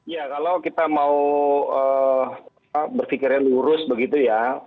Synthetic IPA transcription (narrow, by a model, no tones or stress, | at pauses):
jakalawkit̪amauə | abərfikɪrjaluɾʊsbəɡit̪uja